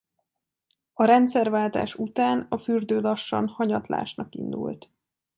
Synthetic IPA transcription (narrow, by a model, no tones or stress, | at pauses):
ɒɾɛnt̪sɛrvaːlt̪a̰ːʃut̪aːnɒfyrd̪øːlɒʃːɒ̰nhɒɲɒt̪la̰ːʃnɒkḭnd̪ṵlt̪